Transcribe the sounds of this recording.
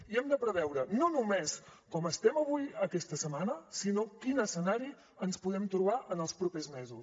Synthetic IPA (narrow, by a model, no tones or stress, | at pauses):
iɛmd̪əpɾəβɛwɾənonumeskɔməst̪ɛməβujəkɛst̪əsəmanəsinokinəsənaɾi | ənspuðɛmt̪ɾuβ̞aʔənəlˠspɾupezmɛzu